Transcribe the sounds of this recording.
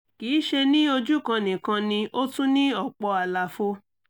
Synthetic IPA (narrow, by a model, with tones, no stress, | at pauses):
kiː˨˦ʃe˧nĩ˦o˧d͡ʒu˦kã˧nĩ˨kã˧nĩ˧ʔo˦tũ˦nĩ˦ɔ˦˨k͡pɔ˧a˨la˨fo˦